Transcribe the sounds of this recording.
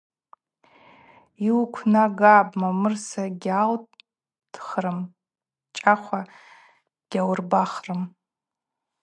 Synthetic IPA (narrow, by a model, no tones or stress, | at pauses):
iwkʷʰnaɡaːbmamɨrsaɡʲal | d̥χrɨm | t͡ʃʼaχʷa | ɡ̥ʲawrbaχrɨm